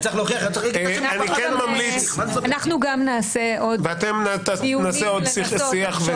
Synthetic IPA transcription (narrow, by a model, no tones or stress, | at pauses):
t͡saiχloχiaχanikɛnmamlit͡sanaχnuɡamnaːseʔodveat̪emnat̪anaeod̪sisiaχve